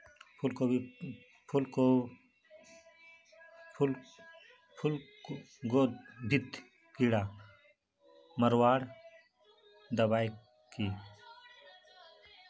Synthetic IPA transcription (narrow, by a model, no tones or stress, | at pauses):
pʰulko | pʰulko | pʰul | pʰul | ɡoːd̪bʱit̪ | kiɽaː | məɾwaːɽ | d̪əbaːj | kiː